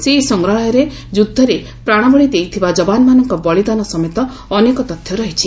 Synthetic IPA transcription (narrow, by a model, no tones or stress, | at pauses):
sesɔŋɡɾɔɭɔjɔɾe | d͡ʒud̪ʱːɔɾe | pɾaɽ̃ɔbɔɭid̪ejt̪ʰibad͡ʒɔbanɔmanɔŋkɔbɔɭid̪anɔsɔmet̪ɔː | nekɔt̪ɔt̪ʰjɔɾɔɦit͡ʃʰi